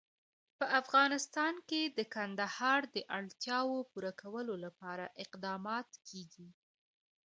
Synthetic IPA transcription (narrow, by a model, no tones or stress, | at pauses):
pəafɣɑnɪst̪ɑnked̪əkand̪ahɑɾd̪əʔaɽt̪jɑwopuɾakʰawəlolapɑɾaʔɪqd̪ɑmɑt̪kʰeɡi